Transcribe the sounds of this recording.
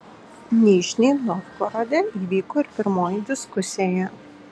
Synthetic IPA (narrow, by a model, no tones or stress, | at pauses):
nʲiːʃʲnʲeːnɔtkɔɾod̪ʲeiːʋʲiːkoːɪɾpʲɪɾmoːjɪd̪ʲɪskʊsʲɪjɛ